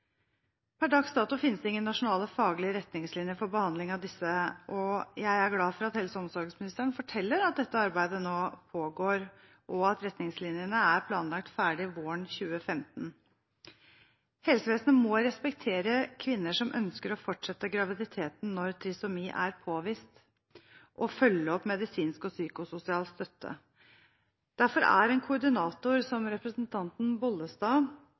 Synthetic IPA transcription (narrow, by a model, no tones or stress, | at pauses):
pʰæɖɑksd̪ɑːt̪ʊfɪnəsd̪ɛɪŋːənnɑʂʊnɑːləfɑːɡlɪəɾɛt̪nɪŋslɪnjəfɔɾbəhɑnd̪lɪŋɑʋd̪ɪsːəʔɔjæɪæɾɡlɑːfɔɾɑt̪hɛlsəɔmsɔɾɡəsmɪnɪst̪əɳfɔʈʰɛlːəɾɑt̪̚d̪ɛt̪ːəɑɾbæɪd̪ənoːpʰoːɡoːɾ | ʔɔɑt̪ɾɛt̪nɪŋslɪnjənəæɾpʰlɑːnlɑk̚t̪fæːɖɪʋoːəɳɕʉːəfɛmt̪n̩ | hɛlsəʋeːsnəmɔɾɛspɛkt̪ʰeːɾəkʰʋɪnːəʂɔmʔœ̰nskəɾɔfɔʈʂɛt̪ːəɡɾɑʋɪd̪ɪt̪ʰeːt̪n̩nɔɾt̪ʰɾɪsʊmiːʔæɾpʰoːʋiːst̪ | ʔɔfœlːəɔpmɛd̪ɪsiːnskɔsyːkʊsʊsɪɑːlst̪œt̪ːə̰ | d̪̥æɾfɔɾæ̰ɾɛːnkʰʊɖɪnɑːt̪ʊɾsɔmɾɛpɾəsnt̪ʰɑnt̪n̩bɔlːəst̪ɑː